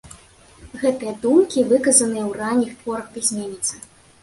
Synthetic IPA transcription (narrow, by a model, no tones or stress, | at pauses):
ɣɛt̪ɨjɐd̪umkʲivɨkɐzɐnɨjɐwranʲixt̪vɔɾɐkpʲizʲmʲenʲit̪sɐ